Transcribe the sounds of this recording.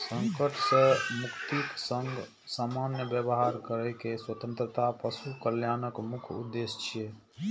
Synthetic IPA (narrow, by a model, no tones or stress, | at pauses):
səŋkəʈsẽmukt̪iksəŋɡ | samanjəbjəbɦaɾkəɾɛjkeswət̪ə̃nt̪ɾət̪apəsukəljanəkmukʰṵd̪ːest͡ʃʰije